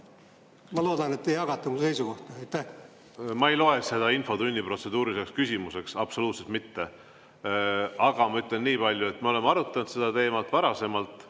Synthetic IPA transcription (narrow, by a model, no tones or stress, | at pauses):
mɑlo̞ːd̪̥ɑnet̪ːejɑɡ̥ɑt̪ːˑɑmulse̞jsuko̞ht̪ɑɑjt̪ːæh | mɑejlo̞e̞se̞d̪̥ɑinfo̞d̪unʲːipro̞t̪se̞d̪̥uːɾisekskysʲimuse̞ksɑb̥so̞luːt̪set̪̚mit̪ːe̞ | ɑɡ̥ɑmɑyt̪ˑle̞nːiːpɑlʲjue̞t̪ːmeo̞le̞mɑɾut̪ːˑɑnut̪se̞d̪̥ɑt̪e̞ːmɑlt̪ːˑvɑɾɑse̞mɑlt̪ˑ